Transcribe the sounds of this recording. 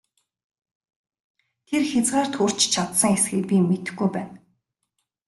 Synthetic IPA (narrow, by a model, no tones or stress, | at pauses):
t̪ʰerxet͡sɢaːr̥t̪xur̥t͡ɕt͡ɕʰat̪sə̆ŋesxɘ̆kpʲimet̪ɘ̆xɡujpæːn